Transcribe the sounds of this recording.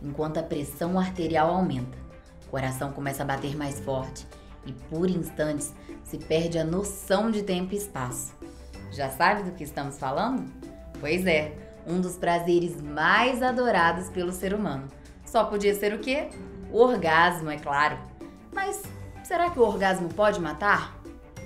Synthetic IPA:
ẽŋkwɐ̃nt̪ʊɐpɾesɐ̃w̃aɾt̪eɾiawawmẽnt̪ɐ̥ | koɾasɐ̃w̃kõmɛsɐabat̪eɾmajsfɔɾt͡ʃɪ̥ | ɪpoɾĩst̪ɐ̃t͡ʃɪ̥ssɪpɛɾd͡ʒɪɐnosɐ̃w̃d͡ʒɪt̪ẽmpʊiːspasʊ̥ | ʒasabɪd̪ʊkɪɪst̪ɐ̃mʊsfalɐ̃nd̪ʊ | pojzɛ | ũd̪ʊspɾazeɾɪzmajzad̪oɾad̪ʊspelʊseɾumɐ̃nʊ | sɔpod͡ʒiɐseɾʊkeʊoɾɡazmʊɛklaɾʊ | mɐsseɾakɪʊoɾɡazmʊpɔd͡ʒɪmat̪aɾ

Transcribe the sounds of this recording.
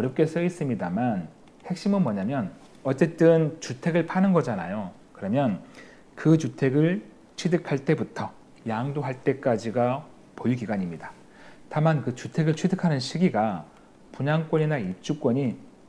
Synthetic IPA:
ʌɾjʌp̚k͈e̞sʰɯis͈ɯmɲidaman | he̞k̚ɕ͈imɯnmwʌɲamjʌn | ʌt͡ɕ͈e̞t͈ɯnt͡ɕutʰe̞ɡɯɭpʰanɯnɡʌd͡ʑana̰jo | kɯɾʌmjʌn | kɯt͡ɕutʰe̞ɡɯɭ | t͡ɕʰwidɯkʰaɭt͈e̞butʰʌ | jaŋdoɦaɭt͈e̞k͈ad͡ʑiɡa | poiɡiɡaɲimɲida | tamankɯt͡ɕutʰe̞ɡɯɭt͡ɕʰwidɯkʰanɯnɕʰiɡiɡa | puɲaŋk͈wʌɲinaip̚t͡ɕ͈uk͈wʌɲi

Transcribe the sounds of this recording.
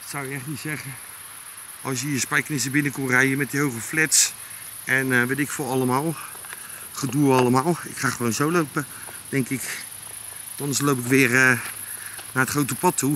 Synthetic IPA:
tsawɪkɛχtnitsɛχə | ʔɑlˠsjəjəspɛjknɪsəbɪnəkɔnrɛjəmɛt̚dəɦowχəflɛts | ɛnʋetɪkfʊɑləmaːlˠ | χəduəɑlˠəmaːlˠɪkχaːχəʋonzowlowpə | d̥ɛŋkɪk | tɔnslowpɪkʋɪːrə | naːətχrowtəpɑtʰːu

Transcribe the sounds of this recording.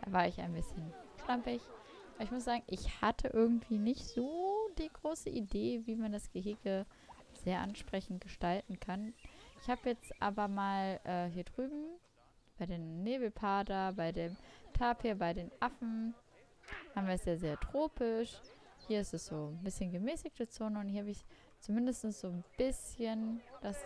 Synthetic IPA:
avaːɐɪçaɪnbɪsçənʃlampɪç | ʔʔaɪçmʊsz̥aːɡŋ̩ʔɪçhatʰəʔɪɐɡŋ̩tv̥iːnɪçtz̥oːd̥iːɡʁoːsəʔideːviːmandasɡ̥əɦɪɡə | z̥eːɐʔa̰nʃpʁ̥ɛçn̩t̚ɡ̥əʃtaltn̩kʰanʔɪçhaːbəjɛt͡stʔa̰ːbɐmaːlʔɛːɦiːɐdʁyːbm̩ | b̥aɪdeːnːeːbl̩pʰaːdɐbaɪdeːmtʰaːpheːɐbaɪɾeːnʔafn̩ | haːbm̩viɐɛsjaːɐzeːɐtʁ̥oːpʰɪʃ | hiːɐɪstɛsz̥oːbɪsçənɡəmɛːsɪk̚tət͡soːnəʊnthiɐhabɪç | t͡sumɪndəstn̩sz̥oːnb̥ɪsçənd̥as

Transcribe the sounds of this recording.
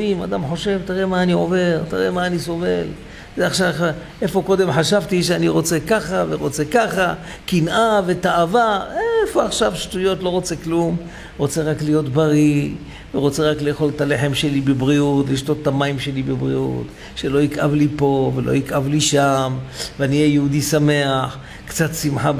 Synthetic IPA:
ima̰d̪amħo̞ʃe̞vt̪iʁemaːnio̞ve̞ʁt̪iʁemaːniso̞ve̞l | zeaχʃaʔe̞fo̞ko̞d̪e̞mħaʃavt̪iʃeaniʁo̞t͡se̞kaχaveʁo̞t͡se̞kaχa | kinʔave̞t̪aavaʔefo̞aχʃavʃtujo̞tlo̞ʁot͡se̞klum | ʁo̞t͡seʁaklijo̞t̪baʁi | veʁo̞t͡se̞ʁakle̞ːxo̞lt̪ale̞ħe̞mʃe̞libebʁiutliʃto̞t̪ːamaimʃe̞libebʁḭṵt̪ | ʃe̞lo̞ikʔavlipo̞velʔo̰ikʔavliʃamveaniejeud̪isame̞aħ | kt͡sat̪simħa

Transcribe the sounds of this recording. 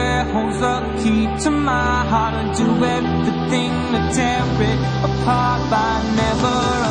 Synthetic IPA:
hozʌ | kʰip̚tʰəmaɪɦɑɹɾə̃ndɨɛvɹiθɪ̃ŋðɨdʰɛ | vɪɾ | əpʰɑɹt̚b̥aɪnɛvə˞

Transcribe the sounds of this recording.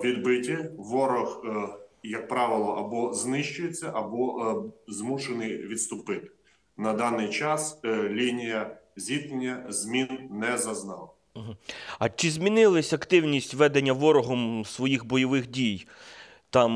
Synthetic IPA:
ʋʲid̪bɪtʲiʋɔɾɔx | jɐk̚pɾɑʋɪlˠɔʔɐbɔznɪʃt͡ʃʊjet͡sʲːɐʔɐbɔzmuʃenɪjʋʲit̪st̪ʊpɪt̪ɪ̥ | nɐd̪ɑnɪjt͡ʃɑslʲinʲijɐzʲit̪nʲenʲːɐzʲmʲinnɛzɐznɑlˠɐɦ̩ɐt͡ʃɪzʲmʲinɪlˠɐsʲɐkt̪ɪwnʲisʲtʲʋɛd̪enʲːɐʋɔɾɔɦɔmsʋɔjixbɔjɔʋɪxdʲij | t̪ɑm

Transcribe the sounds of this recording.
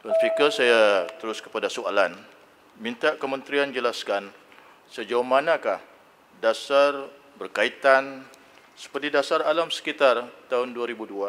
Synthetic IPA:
anfikəsajat̪əɾʊskə̥padasualan | mint̪aʔkəmənt̪ɾiand͡ʒəlaskan | səd͡ʒaʊhmanãkah | dasar | bərkait̪an | sə̥pərt̪idasaralamsə̥kit̪art̪aɦʊnduaɾibudua

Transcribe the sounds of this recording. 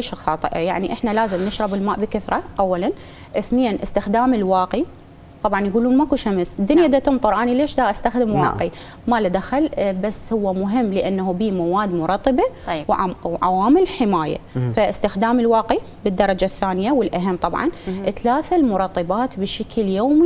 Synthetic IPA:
leːʃxɑːt̪ˤɨʔa̰jaʕniʔɪħnalaːzɪmnɪʃɾˤɑbɪlmaːʔbɪkaθɾˤɑʔawːalan | ʔɪθneːnʔɪst̪ɪxd̪aːmɪlwaːqi | t̪ˤɑbʕɑnjɡuːluːnmakuʃamsd̪ːʊnjaʔd̪at̪ʊmt̪ˤʊɾˤʔanileːʃd̪aːʔast̪axd̪ɪmwaːqʕi | malad̪axalbasːhʊwːamʊɦɪmːlɪʔanːaɦubiːmawaːd̪mʊɾˤɑt̪ˤːɨbawwʕawaːmɪlħɪmaːja̰faʔɪst̪ɪxd̪aːmɪlwaːqi | bɪd̪ːɑɾˤɑd͡ʒaθːaːnɪjawɪlʔaɦamːt̪ˤɑbʕɑ̰nʔɪt̪laːθalmʊɾˤɑt̪ˤːɨbaːt̪bɪʃakʰljoːmi

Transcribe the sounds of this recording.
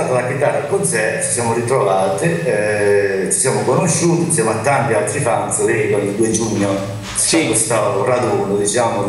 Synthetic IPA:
at̪alak̟it̪arːakosɛt͡ʃi̥sjaːmʊrit̪ɾovaːt̪i | t͡ʃi̥sjaːmʊkonoʃːuːt̪insjaːmʊat̪ːant̪ialt̪ɾifant̪sɪlekɔlild̪uːed͡ʒuɲːo | sikwest̪arad̪uːnʊd̪it͡ʃaːmʊ

